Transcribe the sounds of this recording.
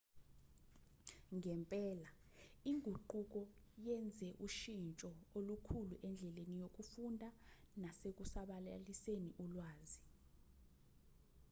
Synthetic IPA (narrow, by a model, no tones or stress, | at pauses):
ŋɛmpʼɛːla | iŋʱuǃuk̬ɔjɛnd͡zʱɛʔuʃint͡ʃʼɔolukʰuluʔɛnd͡ɮʱɛlenijok̬ufundʱa | nasek̬usaɓalaliseniʔulwaːzi